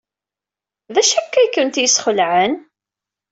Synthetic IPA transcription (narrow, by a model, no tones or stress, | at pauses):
ðæʃækːæjkːənt̪jəsχəlʕən